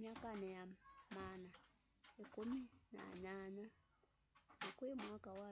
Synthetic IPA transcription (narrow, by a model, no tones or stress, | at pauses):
makanejamana | ekumina̰ːɲana | nakuemwakawa